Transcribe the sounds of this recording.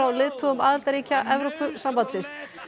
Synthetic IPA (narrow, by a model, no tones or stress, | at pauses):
awlɪðt̪ʰuɣʏmaːðalt̪aɾiːcaʔɛvɾɔpʏsampant̪sɪns